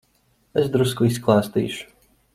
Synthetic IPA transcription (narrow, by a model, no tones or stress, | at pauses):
es̬d̪ɾuskuisklˠaːst̪ḭːʃʊ̥